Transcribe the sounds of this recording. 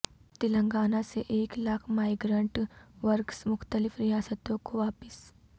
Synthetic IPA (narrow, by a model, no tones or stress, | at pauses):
t̪ɪlə̃ŋɡaːnaseʔeːklaːkʰmaːɪɡɾə̃ɳʈʋɐɾksmʊxt̪əlɪfɾɪjaːsət̪õkoʋaːpəs